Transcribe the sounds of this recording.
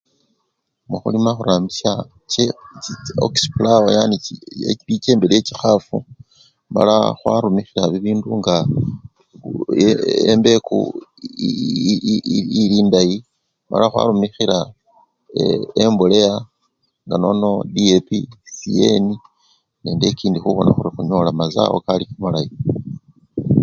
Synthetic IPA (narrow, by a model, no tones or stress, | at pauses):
muxṵlimaxuɾaːmbisa | ce | o̰ksplaojanieiceːmbelijecixafu | ma̰laxwa̰ɾumixiɾaβiβiːnduŋɡa | ḛmbe̞kṵ | iliːndaji | ma̰laxwa̰ɾumixiɾa | embule̞ja | ŋɡano̞no̞diepisie̞̰ni | neːnde̞ciːndixuβo̞naxuɾixuɲo̞lamaza̰wo̰kalikamalaji